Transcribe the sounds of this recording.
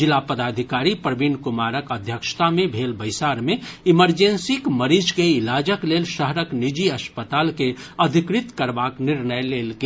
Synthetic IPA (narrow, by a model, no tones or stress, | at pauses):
d͡ʒɪlaːpəd̪aːd̪ʱɪkaːɾipɾɐbiːnkʊmaːɾəkəd̪ʱjəkʃt̪amẽbʱeːlbəɪsaːɾmẽɪməɾd͡ʒẽnsikməɾiːd͡ʒkeɪlaːd͡ʒəkleːlʃəɦɾəknɪd͡ʒiɐspət̪aːlkeɐd̪ʱɪkɾɪt̪kəɾbaːknɪɾnəjleːlke